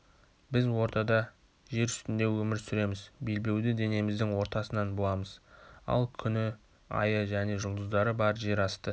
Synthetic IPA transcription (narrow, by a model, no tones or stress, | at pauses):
bɪzwo̞ɾt̪ɑd̪ɑ | ʒe̞ɾʏst̪ɪnd̪e̞wɵmɪɾsʏɾe̞mɪzbe̞lbe̞wd̪ɪd̪e̞ne̞mɪzd̪ɪŋwo̞ɾt̪ɑsənɑnbolˠɑməz̥ɑ̰lˠkʲʰʏnɪ | ɑ̰jəʒæne̞ʒʊlˠd̪əzd̪ɑɾəbɑɾʒe̞ɾɑst̪ə